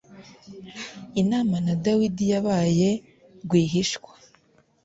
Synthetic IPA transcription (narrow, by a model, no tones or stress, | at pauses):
inaːmanadawidijaβaːje̞ | ɡwiːɦiʃkwa